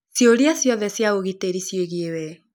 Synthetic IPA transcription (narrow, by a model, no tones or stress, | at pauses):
sjoɾiasjɔðɛsjaoɣiteɾisjeɣiewɛ